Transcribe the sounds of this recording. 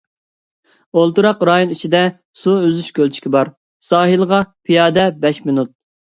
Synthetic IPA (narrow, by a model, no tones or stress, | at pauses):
olˠt̪ɨɾɑqɾɑːjonit͡ʃʰid̪ɛ | suøzyʃkʲølt͡ʃʰi̥kʲɪbɑɾ | sɑːɦɨlˠʁɑpʰijɑːd̪ɛbɛʃminut̪̚